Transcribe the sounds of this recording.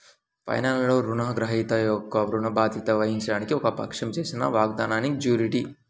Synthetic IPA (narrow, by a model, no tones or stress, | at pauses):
pɐ̰jnaːlloːɾunɐɡɾɐɦiːt̪ɐjɔkːɐɾuɳɐbaːd̪it̪ɐʋɐɦiɲt͡ʃɐɽaːnikiɔkɐpɐ̰kʂɐmt͡ʃe̞ːsinɐ̰ʋaːɡ̚d̪aːnaːnid͡ʒuːɾiʈi